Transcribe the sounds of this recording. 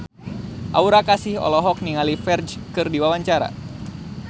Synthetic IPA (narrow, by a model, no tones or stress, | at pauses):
ʔa̰uɾakasɪhɔ̰lɔɦɔk̚niŋalifɛrd͡ʒkɨrdiwawaɲt͡ʃaɾa̰